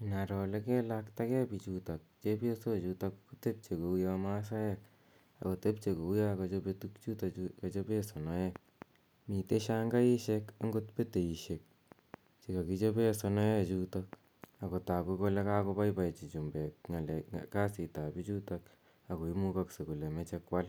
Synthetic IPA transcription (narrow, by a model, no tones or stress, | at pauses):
inaɾɔlekɛlakt̪akɛpit͡ʃutak̚t͡ʃepesot͡ʃutakkut̪ep̚t͡ʃekoujamas̬ajek | a̰kot̪ep̚t͡ʃekoujakat͡ʃopetukt͡ʃutakat͡ʃopesɔnɔjɛ | miteʃaŋɡaiʃekaŋɡotpeteiʃek̚ | t͡ʃikakit͡ʃopesɔnɔɛt͡ʃutak | akotakukolekakopajpat͡ʃit͡ʃumbɛkŋalɛ̰kasitapit͡ʃutak | akoimukaksekulemet͡ʃekwal